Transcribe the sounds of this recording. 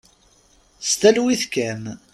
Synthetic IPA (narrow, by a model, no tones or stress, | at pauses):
st̪ælwiθkæm